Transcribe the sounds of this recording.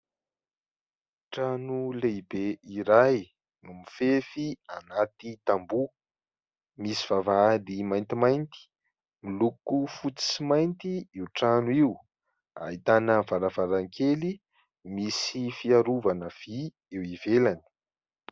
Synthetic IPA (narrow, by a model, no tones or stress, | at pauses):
ʈ͡ʂanulebeiɾaj | numifefianat̪it̪ambu | misi̥v̥avaalimajnt̪imajnt̪i̥ | milukufut͡si̥simajnt̪iiwʈ͡ʂanuiw | a̰ɦit̪anəvaɾavaɾaŋkeli | misifiaɾuvanəv̥i | ewivelani̥